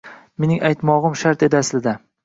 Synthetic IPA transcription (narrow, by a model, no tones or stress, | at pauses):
me̞nɪŋajt̪mɒʁɨmʃaɾt̪e̞d̪aslɪd̪a